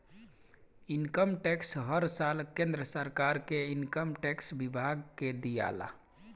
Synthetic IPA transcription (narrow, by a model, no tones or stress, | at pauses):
inkəmʈɛksɦəɾsalkẽnd̪ɾəsəɾkaɾkeinkəmʈɛksbibʱaɡked̪ija̰la̰